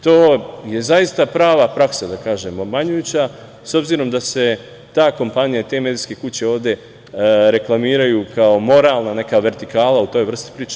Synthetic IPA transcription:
t̪oːje̞zajist̪apɾaːʋapɾaksad̪akaːʒemomaɲujut͡ɕa | so̞bziːɾo̞md̪ase̞ | t̪aːko̞mpanijait̪e̞me̞d̪iske̞kut͡ɕe̞o̞ːʋd̪e̞ | ɾe̞klˠamiːɾajukaomo̞ɾaːlˠnane̞kaʋe̞ɾt̪ikaːlaut̪o̞ːjʋr̩st̪i̥pɾiːt͡ʃe

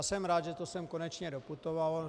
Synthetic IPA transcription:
sɛmɾaːd̪ʒɛt̪osɛmkonɛt͡ʃɲɛɾoput̪oval

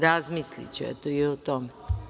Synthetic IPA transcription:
ɾazmislḭt͡ɕuɛ̰t̪oiot̪ome

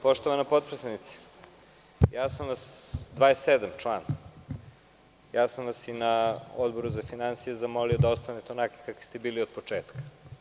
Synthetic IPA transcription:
po̞ʃt̪o̞ʋanapo̞t̪̚pɾesanit̪se̥ | jaːsamʋasd̪ʋaːesed̪amt͡ʃlˠaːn | jaːsamʋasinaod̪bo̞ɾuzafinansijezamo̞lio̞d̪aost̪anet̪onake̥kaki̥st̪ebiːliod̪pot͡ʂeːt̪kḁ

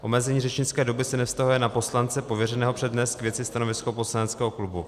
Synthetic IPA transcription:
ʔo̞mɛzɛɲiːrɛt͡ʃɲɪt͡skɛːdo̞bɪsɛnɛfst̪aɦujɛnapo̞slant͡sɛpovjɛrɛnɛːɦopr̥ɛdnɛskvʲjɛt͡sɪst̪ano̞vɪskopo̞slanɛt͡skɛːɦo̞klubu

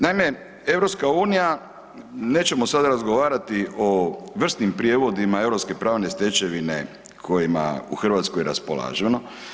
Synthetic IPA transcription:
naime̞ | e̞ʋɾopskauːnija | ne̞ːt͡ɕe̞mo̞sad̪aɾazɡo̞ʋaːɾat̪iʔo̞ʋr̩st̪nimpɾije̞ʋo̞d̪imae̞ʋɾo̞pske̞pɾaːʋne̞st̪e̞t͡ɕe̞ʋine̞̰ | kʰo̞jima̰ṵxr̩ʋaːt̪skojeɾa̰spola̰ːʒeno

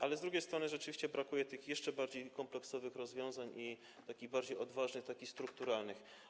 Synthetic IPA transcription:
ʔalɛzd̪ɾuɡʲejst̪ɾɔnɘʐɛt͡ʂɘvʲiɕt͡ɕɛbɾakujɛt̪ɘxjɛʂt͡ʂɛbaɾd͡ʑejkɔmplɛksɔvɘxɾɔzvʲjɔ̃w̃zaɲi | t̪akʲiɣbaɾd͡ʑejɔd̪vaʐnɘxt̪akʲixst̪ɾukt̪uɾalnɘx

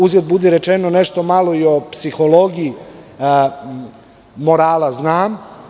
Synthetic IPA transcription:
uzjed̪̚bud̪eɾet͡ʃenoneʃt̪o̞malˠo̞io̞psixo̞lˠo̞ɡii | moɾaːlˠaznaːm

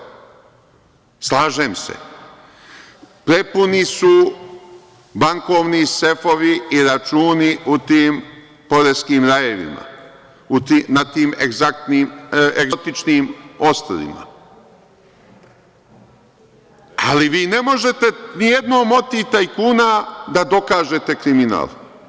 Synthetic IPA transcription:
slaːʒeːmsḛ | pɾe̞punisu | baŋko̞ːʋnise̞fo̞ʋiiɾat͡ʃuːniʔut̪iːm | po̞ɾeskiːmɾajeʋḭma̰ | ut̪iːnat̪iːmeɡzak̚t̪niːmeɡt̪it͡ʃniːmo̞st̪ɾa̰lḭma̰ | aliʋiːne̞mo̞ʒe̞t̪e̞nije̞d̪no̞ːmo̞t̪it̪aikuːnad̪ad̪o̞kaːʒe̞t̪e̞kɾimina̰ːlˠ

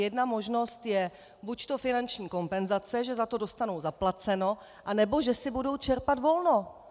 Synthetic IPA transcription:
jɛdnamo̞ʒno̞st̪jɛ | buct̪o̞fɪnant͡ʃɲiːko̞mpɛnzat͡sɛʒɛzat̪o̞do̞st̪anowzaplat͡sɛno̞ | ʔanɛbo̞ʒɛsɪbudo̞wt͡ʃɛɾpat̪vo̞lno̞

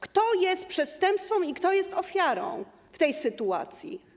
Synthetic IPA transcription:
kt̪ɔjɛst̪̚pʂɛt̪st̪ɛmpst̪fɔ̃mikt̪ɔjɛst̪ɔfʲjaɾɔ̰̃w̃ | ft̪ɛjsɘt̪ua̰t̪sʲjḭ

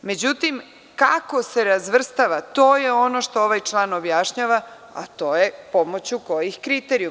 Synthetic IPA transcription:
me̞d͡ʑut̪im | kako̞se̞ɾazʋr̩st̪aʋat̪o̞ːjeo̞no̞ʃt̪o̞oʋajt͡ʃlˠaːno̞bjaʃɲaːʋa | a̰t̪o̞ːjepo̞mo̞t͡ɕuko̞jixkɾit̪eɾiju

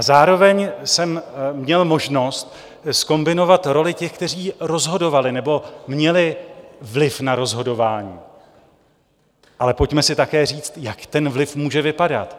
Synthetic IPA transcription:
ʔazaːɾo̞vɛɲsɛmmɲɛlmo̞ʒno̞st̪ | sko̞mbɪno̞vat̪ɾo̞lɪcɛxkt̪ɛriːɾo̞zɦo̞dovalɪnɛbo̞mɲɛlɪvlɪfnaɾo̞zɦo̞do̞vaːɲiː | ʔalɛpo̞cmɛsɪt̪akɛːriːt͡st̪jakt̪ɛnvlɪfmuːʒɛvɪpada̰t̪

